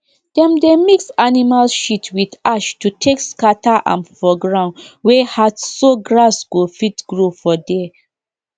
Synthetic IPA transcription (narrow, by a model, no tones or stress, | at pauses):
d̥ɛ̃mdemiksanimalʃitwidaʃtutʰekskataʔã̰nfɔɡɹãndwɛhadsoɡɹasɡ̥ofitɡ̥ɹofɔdɛ